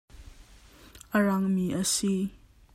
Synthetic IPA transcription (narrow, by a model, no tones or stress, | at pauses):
ʔəɹɐŋmiʔəsi